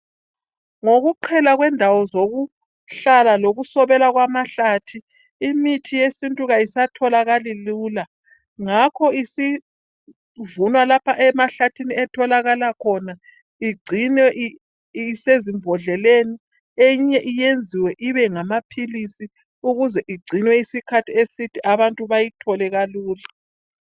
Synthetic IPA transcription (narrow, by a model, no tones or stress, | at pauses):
ŋoɣuǃʰɛlaɣwɛndʱawɔzoɣu | ɬalaloɣusɔβɛlaɣwamaɬatʰi | imitʰijesintʼuɣajisatʰɔlaɣaliluːla | ŋakʰɔisi | vunwalapʰaʔɛmaɬatʰiniɛtʰɔlaɣalakʰɔna | iɡ͡ǀʱinwɛʔ | sezimbʱɔɮɛleni | eɲɛʔijend͡zʱiwɛʔiβɛŋamapʰilisi | uɣuzɛʔiɡ͡ǀʱinwɛisikʰatʰiesitʰiʔaβantʼuβajitʰɔlɛɣaluːla